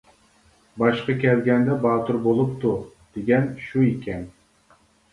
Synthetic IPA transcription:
bɑʃqɑkʲʰɛlɡʲɛnd̪ɛbɑːt̪uɾbolˠupt̪u | d̪̥eɡʲɛnʃuekʲʰɛn

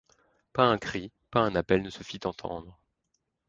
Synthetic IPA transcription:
paɛ̃kχi | paɛ̃napɛlnəsəfit̪ɑ̃t̪ʰɑ̰̃d̪ʁ

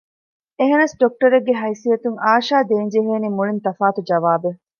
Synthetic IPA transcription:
eɦenɐsɖok̚ʈɐɾeɡːeɦɐjsiɐt̪uŋaːʃaːd̪eːɲd͡ʒeɦeːniːmuɭint̪ɐfaːt̪ud͡ʒɐʋaːbe

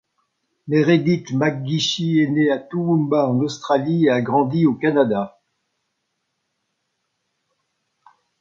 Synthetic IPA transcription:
meʁed̪it̪maɡ̚ɡiʃieneat̪uumbaɑ̃nɔst̪χalieaɡʁɑ̃d̪iokanad̪a

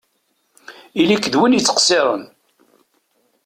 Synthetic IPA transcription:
ilikːəðwinjət͡sːə̥qsɪɾˤə̰n

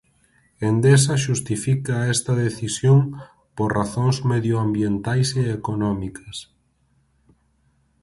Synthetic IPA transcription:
end̪es̬ɐʃust̪ifikɐɛst̪ɐðeθisjoŋ | poɾraθõŋzmeðjoambjent̪ajseːkonɔmikɐs

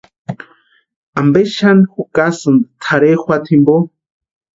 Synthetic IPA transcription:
ambeʃanixukasɨnd̪ɨ̥t̪ʰaɾexʷat̪ʰimbo

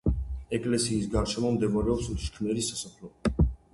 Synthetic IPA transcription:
ɛkʼlɛsiːs̬ɡaɾʃʰɛmɔmd̪ɛmaɾɛɔpsuʃkʰmɛɾisasapʰlɔ

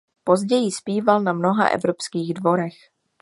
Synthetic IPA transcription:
po̞zɟɛjɪspiːvalnamno̞ɦa̰ʔɛ̰vɾo̞pskiːɣdvo̞ɾɛx

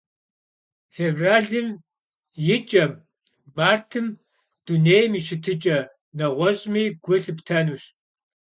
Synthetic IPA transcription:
feːvraːɮɨm | jɪt͡ʃʼɐm | maːrtʰɨm | d̥uneːjmiːɕɪtʰɨt͡ʃʼɐ | nɐʁʷɔɕʼmiːɡʷʊɬɨptʰɐnuːɕ

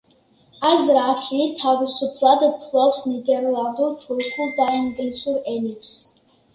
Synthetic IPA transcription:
azɾakʰit̪ʰavisupʰlˠad̪pʰlˠɔpsnid̪ɛɾland̪uɾt̪ʰulχulˠd̪aiŋɡlɛsuɾɛnɛps

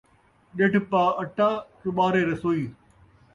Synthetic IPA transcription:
ɗeʈpaːəʈʰːãːsʊɓaːɾeːɾɐsoːiː

